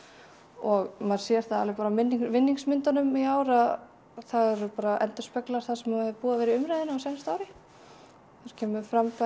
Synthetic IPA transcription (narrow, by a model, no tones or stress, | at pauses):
ɔɣmaðɾ̥sjɛɾ̥θaalvɪpaːɾamɪnːiŋvɪnːiŋsmɪnt̪anʏmiaːwɾa | θaðɛɾʏpaːɾaʔɛnt̪ʏ̥ɾspɛklaɾ̥θaðsɛmavhɛvpuːavɛːɾɪʏmɾajðɪnaawsɛmst̪aːwɾɪ | ɛɾ̥cʰɛːmʏfɾamfa